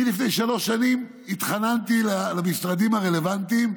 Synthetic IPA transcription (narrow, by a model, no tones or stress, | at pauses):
lifnejʃalo̞ʃːanim | it̪χanant̪ilalamisʁad̪imaʁe̞le̞vant̪im